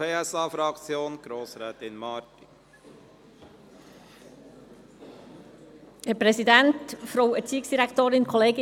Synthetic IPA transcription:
eːɛsɑːfɾɑkt͡sjoːnɡ̥ɾoːsɾɛːt̪ɪnmɑːɾti | hɛɾpɾɛsidɛntfɾowɛɾt͡siːɪksd̥iɾɛktoːɾɪnkʰɔleːɡɪ

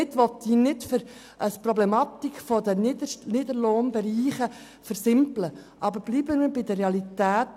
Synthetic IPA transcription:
ɪtʋɔt̪iːnɪtfʏɾ | ʔəsprɔblɛmɑt̪ikfɔd̪əndənɪdəɾloːnbɛɾiːχə | fəɾsɪmpləʔɑbəɾb̥liːbəməbɪdəreɑlitæːt

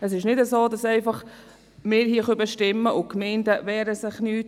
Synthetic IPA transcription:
əsɪʃnɪdəsoːdɑsɛɪfɑχ | mɪːɾhiːəχøbɛʃtɪmːəʔʊkmɛɪndəʋɛːɾəsɪχnyːt

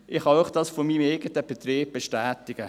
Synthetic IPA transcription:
ʔɪχhɑøχd̥ɑsfomiːmeɪɡ̥ətəb̥et̪ɾeːb̚b̥eʃtæːtɪɡ̥ə

